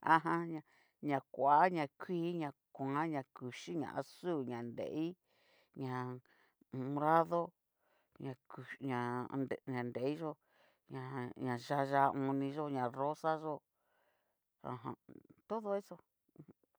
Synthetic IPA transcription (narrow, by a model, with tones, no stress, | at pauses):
ã̰˧ɦã˧ɲã˧˨ | ɲã˨kʷa˨a˦ɲã˧˨kʰʷiː˦ɲã˨˧ | kʷã˨˦ɲã˧ku˨ʃi˦ɲã̰˨ʔa̰˧suː˦˨ɲã˨nd̪ḛ˨ʔi˦ | ɲã˨ | ũ˧˨˧ɾa˦ðo˦ | ɲã˨˧ku˨ɲã˨ne˨ɲã˨nd̪e˨˦i˦ʒo˧ | ɲã˨ɲã˨ʒa˧ʒa˧˦˧ʔũ˧nĩ˧ʒo˧ɲã˨ro˦sa˦ʒo˧ | ã̰˧˨ɦã̰˨t̪o˦ðo˧e˦so˧